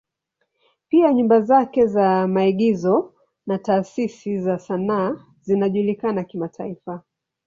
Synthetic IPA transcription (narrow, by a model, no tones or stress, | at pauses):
piaɲumbazakɛzamaiɠizɔ | nataːsisizasanaː | zinaʄulikanakimatʰaifa